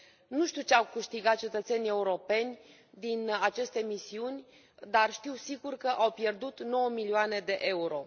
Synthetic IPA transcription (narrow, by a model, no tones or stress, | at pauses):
nuʃt̪iut͡ʃeawkɨʃt̪iɡat̪̚t͡ʃe̞t̪ət̪se̞nʲie̞uɾo̞pe̞nʲ | d̪inat͡ʃe̞st̪e̞misiunʲ | d̪arʃt̪iwsiɡurkəʔawpje̞rd̪ut̪no̞wəmilioane̞d̪e̞ʔe̞uɾo̞